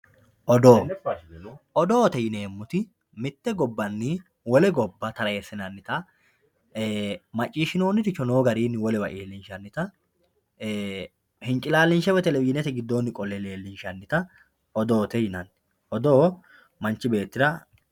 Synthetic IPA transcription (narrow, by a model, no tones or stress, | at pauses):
ʔɔd̪oː | ʔɔd̪oːt̪ɛjɪneːmːʊt̪ɪ | mɪt̪ːɛɡɔbːɐnːɪ | wɔlɛɡɔbːɐt̪ɐɾɐjɛsːɪnɐnːɪt̪ɐ | mɐt͡ʃʼːiːʃɪnoːnːɪt̪ɪt͡ʃːɔnoːɡɐɾiːnːɪwɔlɛwɐʔeːlːɪnʃɐnːɪt̪ɐ | hɪnt͡ʃʼɪlaːlːɪnʃɛwɛt̪ɛlɛwɪnɛt̪ɛɡɪd̪ːoːnːɪkʼɔlɛle̞ːlːɪnʃɐnːɪt̪ɐ | ɔd̪oːt̪ɛjɪnɐnːɪ | ʔɔd̪oː | mɐnt͡ʃːɪbe̞ːt̪ːɪd̪ɐ